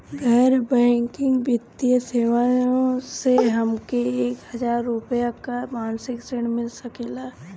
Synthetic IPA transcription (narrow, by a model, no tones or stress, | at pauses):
ɡʱəɾbɛ̃ːŋkɪ̃ŋɡbɪt̪ijəseːʋajõseɦɐmkeeːkɦɐd͡ʒaːɾːʊpjakamaːnsɪkseɽ̃mɪlsɐkeːlaː